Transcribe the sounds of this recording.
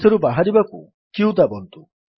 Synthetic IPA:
sʰeɾubaɦaɾibakṵ | kiuwd̪abɔnt̪u

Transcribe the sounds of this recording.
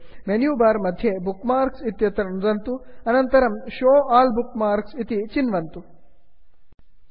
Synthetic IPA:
menjuːbaːɾmɐd̪ʱjebukmaːɾksit̪jɐt̪ɾɐnzɐnt̪uɐnɐnt̪ɐɾɐmʃoːaːlbukmaːɾksit̪it͡ʃinʋɐnt̪u

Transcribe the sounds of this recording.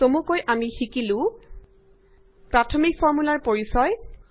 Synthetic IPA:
tomukojʔamixikilʊ̃ | pɹatʰomikfʰɔɹmulaɹpoɹisɔj

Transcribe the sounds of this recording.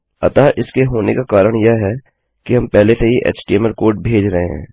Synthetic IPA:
ɐ̰t̪aʔɪskeɦoːnekakaːɾəɽ̃jɐɦɛ | kiɦɐmpɛɦleseiʔḛːt͡ʃʈiːɛmɛlkoːɾʈ̚bʱeːd͡ʒɾɐɦeɦɛ̰̃ː

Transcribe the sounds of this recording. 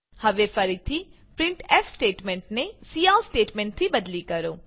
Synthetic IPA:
həʋeːfʰəɾit̪ʰiː | pɾɪ̃ɳʈɛːfsʈeːʈmɛ̃ːɳʈneːsiːaːsʈeːʈmɛ̃ɳʈ̚t̪ʰiːbəd̪liːkəɾoː

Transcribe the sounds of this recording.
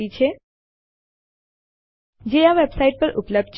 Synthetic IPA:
it͡ʃʰe | d͡ʒejaʋebsaiʈ̚pəɾʔʊ̰pləb̚d̪̚t͡ʃ

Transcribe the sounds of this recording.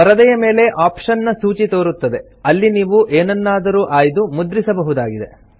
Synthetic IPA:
pɐɾɐd̪ɐjɐme̞ːle̞ʔaːpʂɐnːɐsuːt͡ʃit̪o̞ːɾut̪ːɐd̪e̞ | ɐlːiniːʋuʔeːnɐnːaːd̪ɐɾuːʔaːjd̪umud̪ɾisɐbɐɦud̪aːɡid̪e̞̰

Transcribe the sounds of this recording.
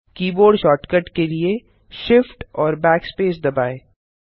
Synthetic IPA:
kiːboːɾɖʃɔːʈkəʈkelie | ʃɪfʈɔːɾbɛːkspeːsd̪ɐbaːeː

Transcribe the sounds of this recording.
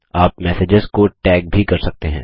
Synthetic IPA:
aːpmɛːsɪd͡ʒəzkoʈɛːk̚bʱikɐɾsɐk̚t̪eɦɛ̰̃ː

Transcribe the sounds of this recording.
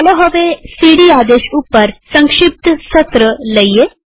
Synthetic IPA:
ɐloɦəʋesiɽiaːd̪eːʃupːəɾsə̃ŋkʂip̚t̪sət̪ɾələjje

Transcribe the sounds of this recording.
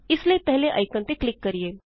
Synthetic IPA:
islepɛɦleʔɐ̰jkə̃nt̪eklikːəɾije

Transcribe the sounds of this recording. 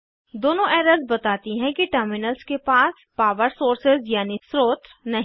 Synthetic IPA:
d̪oːnõʔɛːɾəzbɐt̪aːt̪iɦɛ̃kiʈəɾmɪnəlskepaːs | paːʋəɾsoːɾsɪzjaːnisɾoːt̪ɾnɐɦ

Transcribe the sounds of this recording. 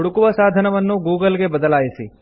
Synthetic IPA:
ɽukuʋəsad̪ʱənəʋənːũɡuɡəlɡebəd̪əlajʃi

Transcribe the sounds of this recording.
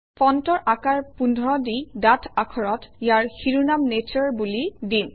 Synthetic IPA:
pɔntɔɹʔakaɹpundʱɔɹɔdidatʰakʰɔɹɔtjaɹxiɹunamnet͡ʃɔɹbulidin

